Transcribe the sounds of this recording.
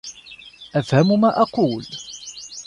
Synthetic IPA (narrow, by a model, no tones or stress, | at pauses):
ʔafhamʊmaːʔɑquːl